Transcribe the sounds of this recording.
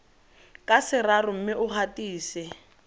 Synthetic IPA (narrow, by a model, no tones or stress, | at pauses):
kʼasɪrarʊm̩mɪʔʊhatiːsɪ